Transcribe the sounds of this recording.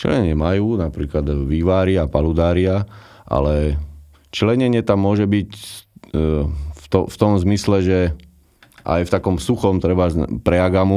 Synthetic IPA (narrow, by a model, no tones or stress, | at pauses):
t͡ʃɛ̰lɛ̰ɲɛɲɪɛmajuːnapɾiːklad̪ʋiːʋaːɾɪapalud̪aːɾɪaʔa̰lɛ | t͡ʃɛlɛɲɛɲɪɛt̪amːʊɔʒɛbic | t̪ɔft̪ɔmzmislɛʒɛ | ʔa̰jft̪akɔmsuxɔmt̪ɾɛbapɾɛaɡamu